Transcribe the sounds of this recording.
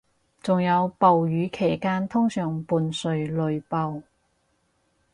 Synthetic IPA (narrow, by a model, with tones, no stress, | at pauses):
t͡sʊ˨ŋjɐ˨˧wpɐ˨wjyː˨˧˥kʰe˨˩jkaː˥nt̪ʰʊ˥ŋsœː˨˩ŋpuː˨˧nsɵ˨ɥlɵ˨˧ɥpɐ˧w